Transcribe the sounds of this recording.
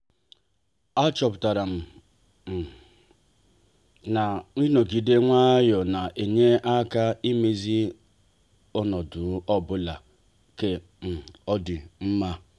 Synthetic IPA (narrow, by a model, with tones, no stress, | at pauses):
a˦t͡ʃɔ˨pʊ˨ta˨ɾa˨m̩˨ | m̩˨ | na˨ŋʷi˦no˨ɡi˨de˦ŋʷa˦jɔ˨na˨ʔe˨ɲe˦ʔa˦ka˦i˦me˨zi˦ | o˦nɔ˨dʊ˨˦ɔ˦bʊ˦la˨ | ke˦ | m̩˨ɔ˦dɪ˨m̩˦ma˦